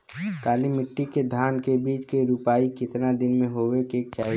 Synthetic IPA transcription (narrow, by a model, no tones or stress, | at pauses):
kaːlimɪʈːiked̪ʱaːnkebiːt͡ʃkeɾupaːikɪt̪nad̪ɪnmẽɦoːʋekeːk̚t͡ʃaː